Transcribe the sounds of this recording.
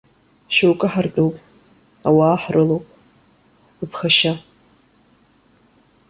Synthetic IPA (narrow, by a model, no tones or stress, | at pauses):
ʃowkʼɨħart͡pʼowpʼ | awaːħrʔɨlowpʼ | ɨpʰχaʃa